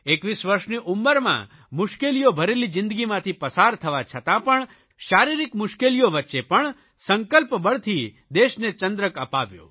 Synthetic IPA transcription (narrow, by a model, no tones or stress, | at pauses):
ekʋisʋəɾʃniʔumːəɾmã̰ | mʊʃkelijobʱəɾelid͡ʒɪ̃nd̪əɡimãt̪ʰipəsaɾt̪ʰəʋat͡ʃʰət̪ãpəɳ | ʃaɾiɾikmʊʃkelijoʋətːʃepəɳ | səŋkəlpbəɭt̪ʰi | d̪eʃnet͡ʃənd̪ɾəkəpaʋjo̰